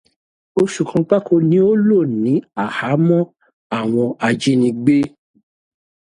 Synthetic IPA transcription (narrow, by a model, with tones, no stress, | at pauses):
o˧ʃu˨kʰã˧k͡pa˦ko˧nĩ˨˦o˦lo˦˨nĩ˨˦a˦˨ha˨˦mɔ̃˦ | a˦˨w̃ɔ̃˧a˧d͡ʒi˦nĩ˧ɡ͡be˦